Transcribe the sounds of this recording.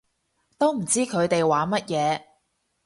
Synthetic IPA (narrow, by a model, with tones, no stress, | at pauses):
t̪o˥wm̩˨˩t͡siː˥kʰɵ˨˧ɥt̪e˨jwaː˨˥mɐ˥t̚jɛː˨˧